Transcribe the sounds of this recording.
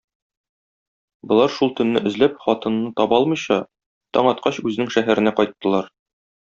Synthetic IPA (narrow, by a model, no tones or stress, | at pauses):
bɤ̆lˠɑɾʃulˠt̪ɵ̆nːɘʔɘ̆zlæp̚χɒt̪ɤ̆nːɤt̪ɒbɒlˠmɤ̆jɕɑ | t̪ɒ̰ɴɒt̪̚qɑɕʉzɘ̆nɘŋʃæɦæɾɘ̆næqɒjt̪ːɤ̆lˠɑɾ